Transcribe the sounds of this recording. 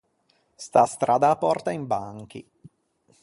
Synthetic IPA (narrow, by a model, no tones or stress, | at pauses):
st̪ast̪ɾaːd̪aːpːɔ̰rt̪aimbaŋk̟ḭ